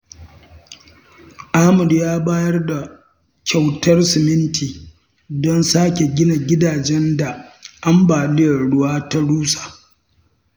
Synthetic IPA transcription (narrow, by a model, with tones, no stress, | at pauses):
ʔaː˦mʊ˨djaː˦baː˦jɐ˦rda˨ | kʲʰa˨wtɐ˦rsɪ˨mɪ˦ntʰiː˨ | dɔ˦nsaː˦kʲe˨ɡʲɪ˦na˨ɡʲɪ˦daː˨d͡ʒɛ˦nda˨ʔa˦mbaː˨lɪ˦jɐ˨ɽʊ˦waː˦ta˦ɽuː˦sḁ˨